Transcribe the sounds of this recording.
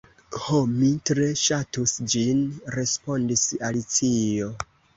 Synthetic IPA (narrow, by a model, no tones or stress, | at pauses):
homitɾe̞ʃatusd͡ʒinɾe̞spo̞ndisalit͡sio̞